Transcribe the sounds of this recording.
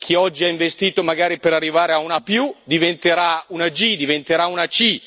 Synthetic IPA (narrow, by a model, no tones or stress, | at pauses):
kʰiɔd͡ʒːiaiɱvest̪iːt̪omaɡaːɾipeɾarːivaːɾeaunapjud̪ivent̪eɾaunad͡ʒid̪ivent̪eɾaunat͡ʃi